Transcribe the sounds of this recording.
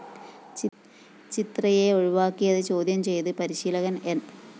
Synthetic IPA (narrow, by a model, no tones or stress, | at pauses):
t͡ɕit̪rɐjeoɻuʋaːkːijɐðɨt͡ɕo̞ːd̪jɐmt͡ɕe̞jt̪ɨpɐɾiɕiːlɐɣɐnen